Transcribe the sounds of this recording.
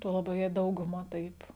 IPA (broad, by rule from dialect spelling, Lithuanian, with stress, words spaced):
ˈtuɔ lˠɐˈbʲɛʊ jɛɪ ˈdɐʊɡʊˌmɐ ˈtɐɪp